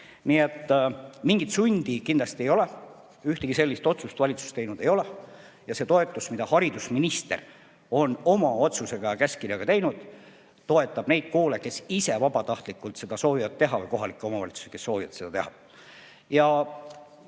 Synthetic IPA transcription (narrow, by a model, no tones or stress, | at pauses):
niet̪ːmiŋɡ̥it̪sunʲd̪̥ikindlɑst̪ie̞jo̞le | yht̪eɡ̥ise̞lʲːist̪o̞t̪sust̪vɑlʲit̪su̥st̪e̞jnud̪̥e̞jo̞le | jɑse̞t̪o̞e̞t̪ːˑusmid̪̥ɑhɑɾid̪̥usminist̪e̞̰r | o̞no̞mɑo̞t̪suse̞ɡ̥ɑjɑkæskirjɑɡ̥ɑt̪e̞jnud̪̥ | t̪o̞e̞t̪ːˑɑb̥ne̞jd̪̥̚ko̞ːleke̞sise̞vɑbɑt̪ɑht̪likːˑult̪se̞d̪̥ɑso̞ːvivɑd̪̚t̪eɦɑvɯjko̞ɦɑlikːˑeo̞mɑvɑ̰lit̪su̥seke̞sːo̞ːvivɑ̰t̪se̞d̪ɑt̪e̞hɑ̰ | jɑ